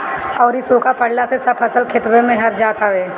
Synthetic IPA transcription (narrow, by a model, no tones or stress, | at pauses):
ɔːɾisoːkapəɽlasesɐbʰɐsəlkʰɪt̪wemẽɦɐɾd͡ʒaːt̪aʋeː